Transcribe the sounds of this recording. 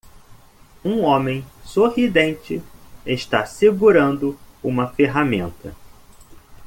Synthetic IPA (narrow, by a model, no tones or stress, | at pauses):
ũõmẽj̃sohid̪ẽnt͡ʃɪeʃt̪aseɡuɾɐ̃nd̪ʊũmɐfeɦamẽnt̪ɐ